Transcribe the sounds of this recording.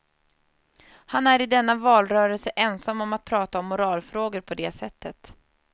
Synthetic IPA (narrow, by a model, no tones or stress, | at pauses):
hanæɾɪd̪ɛnːavɑːlɾœːɾəlsəʔɛnsamːɔmat̪̚pʰɾɑːt̪aɔmːʊɾɑːlfɾoːɡəɾpʰɔd̪ɛːsɛt̪ʰːət̪